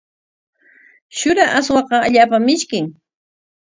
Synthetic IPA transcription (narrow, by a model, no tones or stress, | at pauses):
ʃʊɾaʔaswɑqɑaʎaːpamɪʃkɪŋ